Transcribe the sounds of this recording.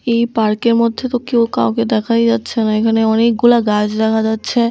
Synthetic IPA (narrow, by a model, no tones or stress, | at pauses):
ejpaɾkeɾmod̪ʱːet̪okeokaõked̪ɛkʰajd͡ʒatːɕʰenaekʰaneɔnek̚ɡulaɡad͡ʑɾakʰad͡ʑatːɕʰe